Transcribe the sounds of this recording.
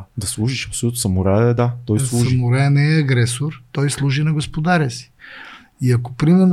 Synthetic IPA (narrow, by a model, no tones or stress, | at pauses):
d̪ɐslˠuʒiʃɐpsolut̪osɐmoɾɛɛd̪at̪ɔjslˠuʒɐmoɾɛnɛːɐɡɾɛsoɾt̪ɔjslˠuʒinɐɡospod̪aɾɛsi̥ | iɐko̥pɾimɛɾn